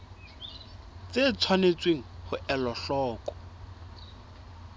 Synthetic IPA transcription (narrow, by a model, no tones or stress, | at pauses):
t͡set͡sʰwanet͡sweŋ̩hʊʔɛlɔɬɔːkʼɔ̥